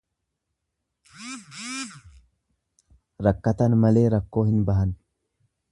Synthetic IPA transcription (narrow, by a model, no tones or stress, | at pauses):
ɾɐkːɐt̪ɐnmɐle̞ːɾɐkːo̞ːhɪnbɐɦɐn